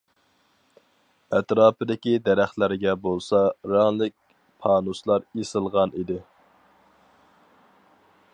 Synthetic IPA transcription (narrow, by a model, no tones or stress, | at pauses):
ɛt̪ɾɑːpɨd̪ɪkʲid̪æɾæχlæɾɡʲɛbolˠsɑɾɑŋlˠɪk̚ʲ | pʰɑːnuslˠɑɾesɨlˠʁɑnid̪ɪ